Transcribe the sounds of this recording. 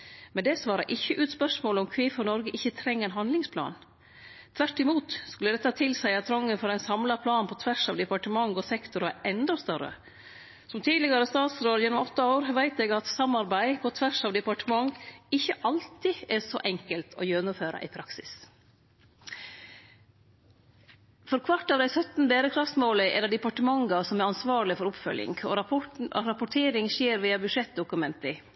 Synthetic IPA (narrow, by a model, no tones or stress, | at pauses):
mɛnd̪ɛsʋɑːɾɑ̰ʔɪçːəʔʉːt̪spœʂmoːləɔmkʰʋiːfɔɾnɔɾɡəʔɪçːət̪ʰɾɛŋːəæɪnɦɑnd̪lɪŋspʰlɑ̰ːn | t̪ʰʋæʈːɪmuːt̪skʉlːəd̪ɛt̪ːɑt̪ʰɪlsæɪɑt̪ʰɾɔŋːənfɔɾæɪnsɑmlɑpʰlɑːnpʰɔt̪ʰʋæʂɑ̰ːʋd̪ɛpɑʈəmɑŋːɔsɛkt̪ʊɾæʔɛnd̪ɔst̪œɾə̰ | sɔmt̪ʰiːlɪɡɑɾəst̪ɑːt̪sɾoːd̪jɛnːɔmɔt̪ːɑoːɾʋæɪt̪ɛɡɑt̪sɑmːɑɾbæɪpʰɔt̪ʰʋæʂɑːʋd̪ɛpɑʈəmɑŋɪçːəʔɑlt̪ɪɛsɔʔɛŋkəlt̪ʰɔ̰jœnʊføːɾɑ̰ʔɪpʰɾɑksɪ̰s | fɔɾkʰʋɑʈːɑːʋd̪æɪsœt̪n̩beːɾəkʰɾɑft̪smoːləʔɛ̰lːəɖɛpɑʈəmɑŋɡɑsɔmæɾɑnsʋɑːɭɪfɔɾʊpfœ̰ljɪ̰ŋɔ̰ɔ̰ɾɑpʊʈʰeːɾɪŋʃeːɾʋiːɑbʉʂɛt̪̚d̪ʊkʉmɛnt̪ɪ